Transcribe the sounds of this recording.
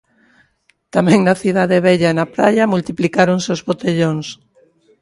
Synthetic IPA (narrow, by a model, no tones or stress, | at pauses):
t̪amɛ̃ŋnɐθið̞aðeβɛʎanapɾaʎamult̪iplikaɾoŋseozβot̪eʎoŋs